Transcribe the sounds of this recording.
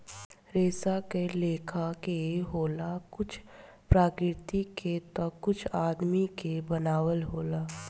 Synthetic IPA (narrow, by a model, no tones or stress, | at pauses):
ɾeːsakeleːkʰakeɦoːlakʊt͡ʃʰ | pɾaːkɾɪɾɪt̪iket̪ɔkʊt͡ʃʰaːd̪mikebənaːwəlɦoːlaː